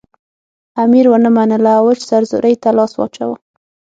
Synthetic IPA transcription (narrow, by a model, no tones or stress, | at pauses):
amiɾwənəmanəlaawət͡ʃsaɾzʊ̰ɾʔəjt̪alɑswɑ̰t͡ʃa̰wə